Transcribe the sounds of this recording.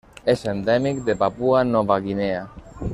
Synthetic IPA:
esend̪ɛmikd̪epapuanɔβaɣinea

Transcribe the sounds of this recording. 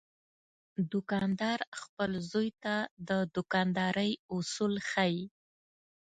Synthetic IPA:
d̪ʊkɑnd̪ɑɾxpəlzojt̪ad̪əd̪ʊkɑnd̪ɑɾəjʊsulxaji

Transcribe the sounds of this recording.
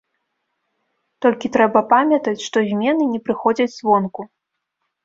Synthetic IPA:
t̪ɔlʲkʲit̪ɾɛbɐpamʲɐt̪ɐt͡sʲʂt̪ɔzʲmʲɛnɨnʲɛpɾɨxɔd͡zʲɐt͡sʲzvɔnku

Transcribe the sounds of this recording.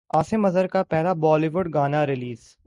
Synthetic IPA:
aːsɪmɐzəɾkapɛɦlabɔːliʋʊɖ̚ɡaːnaɾɪliːz

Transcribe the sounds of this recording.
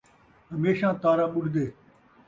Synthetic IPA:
ɦəmeːʃãːt̪aːɾãːɓʊɽd̪eː

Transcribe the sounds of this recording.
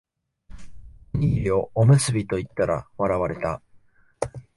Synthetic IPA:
ɲiːɾio̞ːmɯ̟sɨbʲit̪o̞it̪ːaɾa̰βaɾaβaɾe̞t̪a

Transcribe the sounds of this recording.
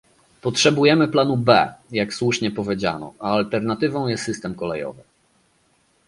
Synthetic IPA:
pɔtʂɛbujɛmɘplanubɛ̰jakswuʂɲɛpɔvʲjed͡ʑa̰nɔ̰aːlt̪ɛɾnat̪ɘvɔ̃w̃jɛst̪ːɘst̪ɛmkɔlɛjɔ̰vɘ

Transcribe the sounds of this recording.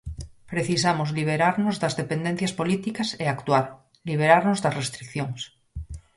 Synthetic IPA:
pɾeθis̬amozliβ̞eɾaɾnozðazðepend̪en̟θjaspolit̪ikaseakt̪waɾ | liβ̞eɾaɾnozðasrest̪ɾikθjoŋs

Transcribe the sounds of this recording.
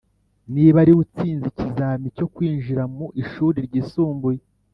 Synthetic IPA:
niːβaɾiwut͡siːnzicizaːmico̞kwiːnʒiɾamuʔiʃuːɾiɾɟiːsuːmbuje

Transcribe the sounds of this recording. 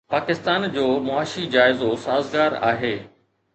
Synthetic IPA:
paːkɪst̪aːnd͡ʑoːmʊaːʃid͡ʑaːɪzosaːzɡaːɾa̰ːɦeː

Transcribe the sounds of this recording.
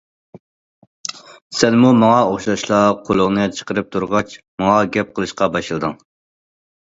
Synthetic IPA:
sɛnmumɑŋɑoχʃɑʃlˠɑqʰolˠʊʁnɨt͡ʃʰə̥qəɾɨp̚t̪ʰuɾʁɑt͡ʃmɑŋɑɡʲɛp̚qʰəlˠɨʃqɑbɑʃlˠɨd̪ɨŋ

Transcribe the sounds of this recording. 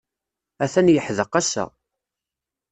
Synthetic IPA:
æθænjəħðəqæsæ̰

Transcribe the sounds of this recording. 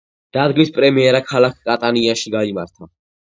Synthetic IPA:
d̪̥ad̪ɡmispʼɾɛmiɛɾakʰalak̚ʰkʼat̪ʼaniaʃiɡaimaɾt̪ʰa

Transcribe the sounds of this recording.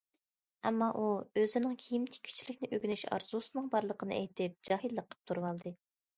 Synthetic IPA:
ɛmːɑʔuøzɪnɪŋkʲʰijimt̪ʰɪ̥kʲʰy̥t͡ʃʰilɪkʲnɪʔøɡʲynyʃɑ̰ɾz̥usɨnɨŋbɑɾlˠəqʰənɨ̰ɛjt̪ʰɪp̚d͡ʒɑːhɨlːəqʰːə̥p̚t̪ʰuɾwɑlˠd̪ɨ

